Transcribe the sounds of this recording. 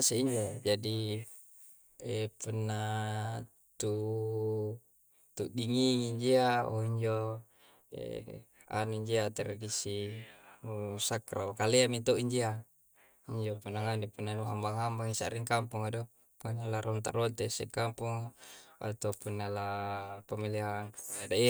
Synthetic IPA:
aseiɲd͡ʒod͡ʒadi | epunːa | t̪u | t̪uʔdiŋiŋiɲd͡ʒiao̰iɲd͡ʒo | ḛ | a̰nuiɲd͡ʒiat̪eɾdisi | usakra̰okaleamit̪oʔiɲd͡ʒia | iɲd͡ʒopunːaŋanipunːanuɦambaŋɦambaŋisa̰ɾiŋkampuŋado | puanalaɾont̪a̰ɾont̪esekampuŋa̰t̪opunːalapamiliɦaŋadai

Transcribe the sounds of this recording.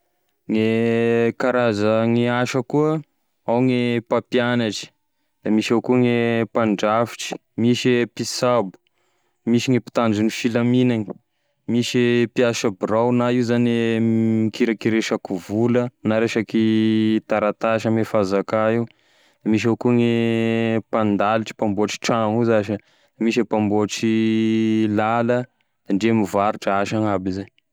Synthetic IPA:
ŋekaɾazaŋiaʃəkuə | awŋepapjanaʈ͡ʂi̥ | d̪amiʃawkuŋepaɳɖ͡ʐafi̥ʈ͡ʂi̥ | miʃepisabu̥ | miʃiŋepi̥t̪and͡ʒinifilaminaŋi | miʃepiaʃabrawnaiuzaneikiɾakiɾeʃakuvulənaɾeʃakit̪aɾat̪aʃamefazakaiw | miʃ̬awkuŋi | pand̪aliʈ͡ʂə̥pamboaʈ͡ʂi̥ʈ͡ʂaŋuzaʃə | miʃepamboʈ͡ʂi | lalə | d̪̥aɳɖ͡ʐemivaɾuʈ͡ʂəaʃaŋabizaɲ

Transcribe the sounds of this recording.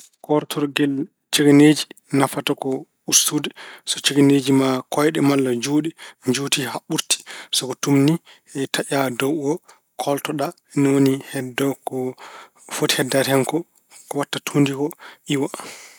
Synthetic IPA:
kɔɾtʰɔɾɡɛl | t͡ʃeɡened͡ʒi | nafatakɔ | ustudɛsɔt͡ʃeɡened͡ʒimakʰɔjɗɛmalːad͡ʒuːɗɛɲd͡ʒuːtihaɓuɾti̥sɔkɔtumni | ɛtʰaʔadɔwʔɔ | kʰɔltɔɗa | ɛnɔwonihɛdɔkɔ | fotihɛdːathɛŋkɔ | kɔwatːatʰundikɔʔiwa

